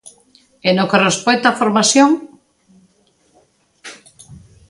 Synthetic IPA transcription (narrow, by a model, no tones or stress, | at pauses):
enokerespet̪afoɾmasjoŋ